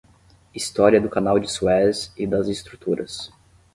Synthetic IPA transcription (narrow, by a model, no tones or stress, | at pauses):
ist̪ɔɾiɐd̪ʊkanawd͡ʒɪsuɛzɪd̪ɐzɪst̪ɾut̪uɾʔɐ̰s